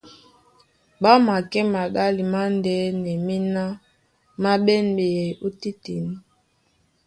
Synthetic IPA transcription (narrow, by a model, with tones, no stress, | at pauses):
ba˦ma˨kɛ˦ma˨ɡa˦li˨ma˦ndɛ˦nɛ˨mi˦na˦ | ma˦ɓɛ˦nbe˨jɛ˨u˦ti˦ti˨ni˦